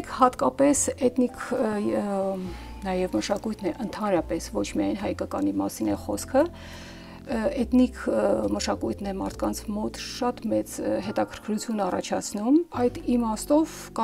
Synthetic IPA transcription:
kʰhɑt̪kɑpɛsɛt̪nikʰ | nɑjɛvməʃɑkujt̪ʰnɛʔənt̪ʰɑnɾɑpɛsvɔt͡ʃʰmijɑjnɦɑjkɑkɑnimɑ̰sinɛχɔskʰə | ɛt̪nikʰməʃɑkujt̪ʰnɛmɑ̰ɾt̪ʰkɑnt͡sʰmɔt̪ʃɑt̪mɛt͡sɦɛt̪ɑkʰəɾkʰɾut͡sʰjunɑrɑ̰t͡ʃʰɑ̰t͡sʰnumɑjd̪imɑst̪ɔv | kɑ

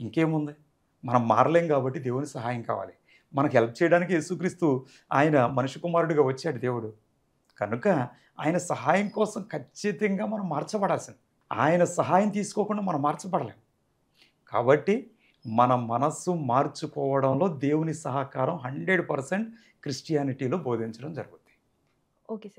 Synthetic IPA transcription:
iŋke̞ːmund̪i | mɐnɐmːa̰ːɾleːmkaːbɐʈːid̪e̞ːwunisɐɦaːjɐmka̰ːʋa̰ːli | mɐnɐkɦɛlpʰɐt͡ʃɛːjɐɽaːnik̬ije̞ːsukɾiːst̪u | aːjɐnɐmɐnuʂukumaːɾuɽiɡaːʋɐt͡ʃːaːɽid̪e̞ːwuɽu | kɐnukɐ | a̰ːjɐnɐsɐɦaːjɐŋkɔːsɐmkʰɐt͡ʃːit̪ɐŋɡaːmɐnɐmːaːɾt͡ʃɐpɐɽaːlsind̪i | a̰ːjɐnɐsɐɦaːjɐmt̪̬iːsu̥kɔːkuɳɖaːmɐnɐmːaːɾt͡ʃɐbɐɽɐleːmu | ka̰ːbɐʈːi | mɐnɐmɐnɐsumaːɾt͡ʃukɔːʋɐɽɐmlo̞ːd̪e̞ːwunisɐɦɐkaːɾɐmɦɐɳɖɾeɖpɐɾseɳʈ | kɾisʈijaːniʈiːlo̞ːbo̞ːd̪ʱiɲt͡ʃɐɽɐmd͡ʒɐɾuɡut̪ | oːke

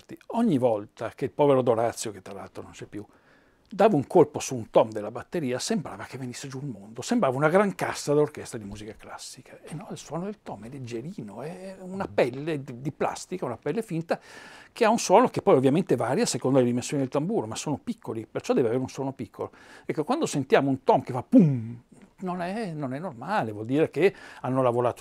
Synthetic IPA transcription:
t̪ioɲːivɔlt̪ak̟eilpɔveɾod̪oɾat̪sːjoket̪ːɾalalt̪ɾonont͡ʃɛpːju | d̪aːvauŋkolposuːnt̪ɔmd̪elːabat̪ːeɾiːasembɾa̰ːvakevːenisːed͡ʒualmond̪osembɾaːvaunaɡɾaŋkasːad̪orkɛst̪ɾad̪imuːzikaklasːikʰaenːɔilswɔːnod̪elt̪ɔmɛlːed͡ʒeɾiːnoɛunapɛlːeid̪ipla̰st̪ikaunapɛlːefint̪akeaunswɔːnokepːɔjovːjament̪evaːɾjasekond̪oled̪imensjonid̪elt̪ambuːɾomasːoːnopikʰːolipert͡ʃɔd̪ɛːveaveːɾeunswɔːnopikʰːolo | ɛkːokwand̪osent̪jaːmount̪ɔmkefapːumnonɛnonɛnːormaːlevwɔld̪iːɾekeanːolavoɾaːt̪o

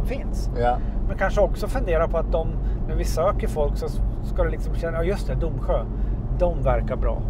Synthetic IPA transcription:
mfɪnsmɛnkʰanʂəɔksɔfɵnd̪eːɾapʰɔat̪̚d̪ɔmnæɾvɪsːaøːkəɾfɔlksɔskad̪ɛlɪksɔmɕɛnːajɑːjɵst̪ɛd̪ʊmːɧøː | d̪ɔmvæɾkaɾbɾɑ̰ː

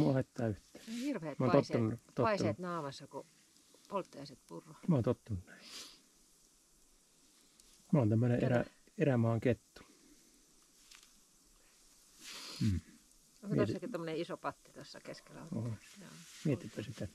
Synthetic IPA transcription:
muɑhet̪ːɑːyht̪ˑæ̥ːhirʋeemæont̪otsːɑnut̪oɑisɑet̪nɑːmɑsːɑko | polt̪ːɑɑiset̪purːomæoːnt̪ot̪ːɑnunæi | mæont̪æmːøneʔḛræ | eræmɑːŋket̪ːu̥ | m̩ː | mḭet̪iekiomːoneisopɑt̪ːit̪osːɑ̰keskelːæ̰ooːmiet̪ipːæsit̪æ

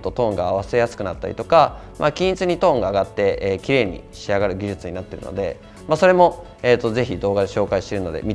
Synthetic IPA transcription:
t̪ot̪õ̞ːŋɡaːβ̞ase̞jasɨ̥kɯ̟nat̪ːaɾʲḭt̪o̞ka | makʲĩɰ̃it͡sɨɲ̟it̪õ̞ːŋɡaːɡat̪ːe̞ːkʲiɾe̞ːɲ̟ḭɕiaɡaɾɯ̟ɡʲiʑɨt͡sɨɲ̟inat̪ːe̞ɾɯ̰no̞̰d̪e̞̰ | maso̞ɾe̞mo̞ | eːt̪ːo̞ze̞çid̪o̞ːɡad̪eɕo̞ːkaiɕi̥t̪e̞ɾɯ̟no̞d̪e̞̰mʲi

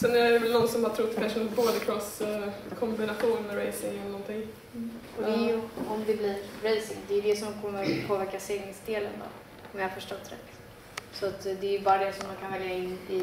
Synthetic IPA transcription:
sɛnæɛvɛlnɔnsɔmhat̪ʰɾʊt̪ːpʰæʂuːnbod̪əkʰɾɔskʰɔmbɪnaɧuːnmɛɾejsɪŋɛnɔnt̪ʰɪŋː | ɔd̪ɛæɾjjɔmd̪ɛblɪɾɾejsɪŋd̪ɛːjɵd̪ɛsɔmkʰɔmːəɾpʰoːvæɾkaseːɡɪŋsd̪eːlə̰nd̪ɔ̰ | ɔmjɑhaɾfœʂʈɔt̪ːd̪ɛ̰ | sɔat̪d̪ɛːjɵbɑːɾad̪ɛsɔmd̪ankʰanvɛljaɪnːɪ

